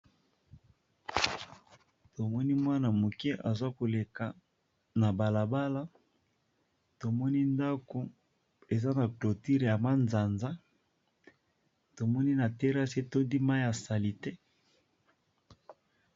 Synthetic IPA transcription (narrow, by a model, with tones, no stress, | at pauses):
to˨mɔ˦ni˦mwa˦na˨mo˨ke˦ʔa˨zwa˦ko˨le˨ka˨ | na˨ba˨la˨ba˦la˦ | to˨mɔ˦ni˦nda˦ko˨ | e˨za˦na˨klo˨ti˦ʁja˨ma˦nza˨nza˦ | to˨mɔ˦ni˦na˨tɛ˦ʁa˦se˦to˦di˦ma˦ja˨sa˨li˨te˦